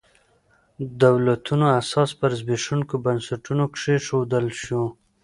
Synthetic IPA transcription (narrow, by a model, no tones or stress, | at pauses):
d̪awlat̪ʰunoasɑspəɾzbiʂunkobansaʈunokʂeʂod̪əlʃu